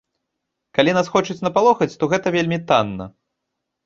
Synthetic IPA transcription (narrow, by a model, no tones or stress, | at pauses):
kalʲinasxɔt͡ʂɨt͡sʲnɐpalˠɔxɐt͡sʲt̪ɔɣɛt̪ɐvʲelʲmʲit̪anːɐ̰